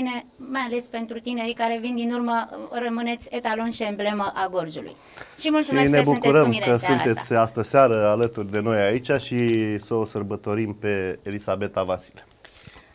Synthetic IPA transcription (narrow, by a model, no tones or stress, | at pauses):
ne̞majale̞spe̞nt̪ɾut̪ine̞ɾikaɾe̞vind̪inurmərəmɨne̞t̪sʲet̪alo̞nʃiəmble̞məʔaɡo̞rd͡ʒulṵj | ʃimult̪suinebuk̪uɾəmiɾekəsunt̪e̞t̪sʲast̪əsaɾəalət̪urʲd̪e̞no̞jait͡ʃaʃisəosərbət̪o̞ɾimpe̞elisabe̞t̪avasi̥le